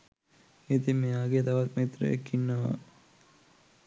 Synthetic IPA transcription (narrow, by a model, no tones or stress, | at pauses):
it̪imeaːɡet̪aʋat̪met̪ɾə̰ḛkːinːəʋa̰